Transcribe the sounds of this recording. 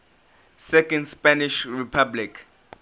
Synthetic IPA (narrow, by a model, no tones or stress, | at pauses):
sɛkɔ̃ndspɛniʃripʰablik